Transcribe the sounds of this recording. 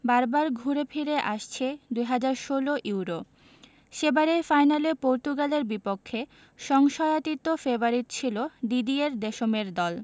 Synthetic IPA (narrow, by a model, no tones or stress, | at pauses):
baɾbaɾɡʱuɾepʰiɾeʔaʃt͡ɕʰed̪ujɦad͡ʑaɾʃoloʔiwɾo | ʃebaɾefajnalepoɾt̪uɡaleɾbipokʰːe | ʃɔŋʃɔjat̪it̪ofebaɾitt͡ɕʰiloɖid̪ieɾd̪eʃomeɾd̪ɔl